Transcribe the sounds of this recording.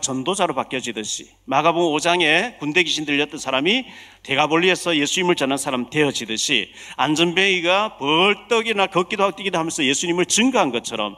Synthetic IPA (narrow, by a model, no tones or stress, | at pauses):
t͡ɕʌndod͡ʑaɾopak͈jʌd͡ʑidɯɕʰi | maɡaboŋod͡ʑaŋe̞kunde̞ɡiɕʰindɯɭːʌt͈ʌnsʰaɾami | te̞ɡaboɭːiesʰʌje̞sʰuɲimɯɭt͡ɕʌnansʰaɾamte̞ʌd͡ʑidɯɕʰḭ | a̰nd͡ʑʌnbeiɡapʌɭt͈ʌɡinakʌk͈idoak̚t͈iɡid̪oɦamjʌnsʰʌje̞sʰuɲimɯɭt͡ɕɯŋɡɯɦanɡʌt͡ɕʰʌɾʌm